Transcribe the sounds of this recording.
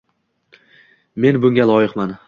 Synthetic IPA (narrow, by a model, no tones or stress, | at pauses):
me̞nbʊŋɡʲalˠɒjɪqman